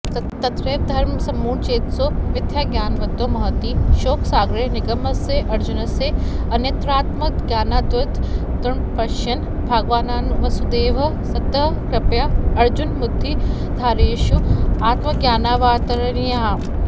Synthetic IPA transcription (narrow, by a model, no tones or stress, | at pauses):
t̪ɐt̪ɾeːʋd̪ʱɐɾmsɐmːuːɳt͡ʃeːt̪soːʋɪd̪jaːɡjaːnʋɐd̪oːmɐɦɐt̪iʃoːksaːɡɾenɪɡɐmɐseʔɐɾd͡ʒunɐse | ɐnjɐt̪ɾaːt̪mɐkɡjaːnaːd̪ɐt̪t̪ɾɐɳpɐʃjɐn | bʱaːɡʋaːnaːnʋɐsud̪eːʋɐ | sɐt̪ɐɦkɾɪpjaɐɾd͡ʒunmʊd̪ʱːi | d̪ʱaːɾeːʃuaːt̪mɐɡjaːnaːʋaːt̪ɐɾɐɾijaːm